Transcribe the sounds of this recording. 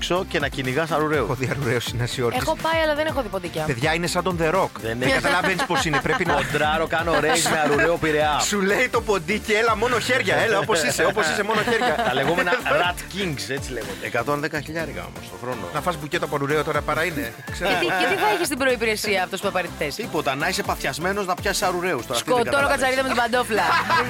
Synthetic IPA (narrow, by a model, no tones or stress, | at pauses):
ksocenɐciniɣɐsɐɾuɾeuxoðiɐɾuɾeosinɐsio̞ɾisɣopɐjɐlɐðenexoðipod̪icɐpe̞ðʝɐine̞sɐnd̪onðe̞ɾokðenekɐt̪ɐlɐvenispo̞sinepɾepinɐod̪ɾɐɾokɐnoɾejzmeɐɾuɾeopiɾeɐsulejt̪o̞po̞d̪icielɐmo̞noçeɾʝɐelɐopo̞sise̞opo̞sise̞mo̞noçeɾʝɐɐleɣomenɐɾɐt̪ciŋɡset͡sileɣoekɐt̪o̞nðekɐçiʎɐɾɣɐ̰o̰mosoxɾon̰nɐfɐszbucet̪ɐpɐɾuɾeot̪o̞ɾɐpɐɾɐinekseet̪et̪iθɐeçist̪ibɾoipiɾesiɐːft̪ospuɐpɐɾet̪i̥θest̪ipo̞t̪ɐnɐise̞pɐfθçɐzme̞no̞znɐpçɐsi̥sɐɾuɾe̞ust̪oɾɐst̪kotɐonokɐt͡sɐɾiðɐmetobɐnd̪oplɐ